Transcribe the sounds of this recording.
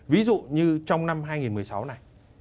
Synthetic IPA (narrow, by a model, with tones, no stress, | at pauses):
vi˨˦zṵ˧˨ɲɨ˧t͡ɕɔ˧wŋ͡mna˧mɦaː˧jŋi˨˩nmɨ˨˩əjsa˨˦wna˨˩j